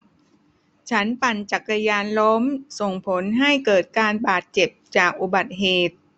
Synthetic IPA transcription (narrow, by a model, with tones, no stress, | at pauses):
t͡ɕʰa˦˥npa˨˩nt͡ɕa˨˩kːa˧jaː˧nlo˦˥mso˨˩ŋpʰo˩˦nɦa˥˩jkɤː˨˩t̪̚kaː˧nbaː˨˩t̪̚t͡ɕe˨˩p̚t͡ɕaː˨˩k̚ʔu˨˩ba˨˩t̪̚ɦeː˨˩t̪̚